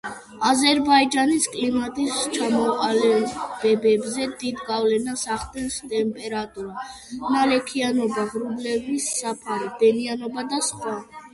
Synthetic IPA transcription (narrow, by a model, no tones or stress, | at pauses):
azɛɾbaid͡ʒaniskʼlimat̪ʼist͡ʃʰamɔqʼalɛb̥ɛbɛbzɛd̪id̪ɡavlɛnasaχd̪ɛnst̪ʼɛmpʼɛɾat̪ʼuɾa | nalɛkʰianɔbaʁɾublɛvisːapʰaɾɛd̪ɛnianɔbad̪asχwa